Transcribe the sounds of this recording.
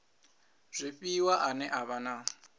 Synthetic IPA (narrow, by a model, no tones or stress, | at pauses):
z̥ʷipiwaʔanɛʔaβana